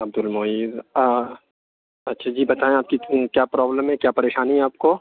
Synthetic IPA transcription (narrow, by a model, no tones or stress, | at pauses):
ɐb̚d̪ʊlmoːiːd̪ | ɐtːʃʰad͡ʒiːbɐt̪aːẽaːp̚kikjaːpɾɔːbləmɦɛ̃kjaːpɐɾeːʃaːniɦɛaːp̚ko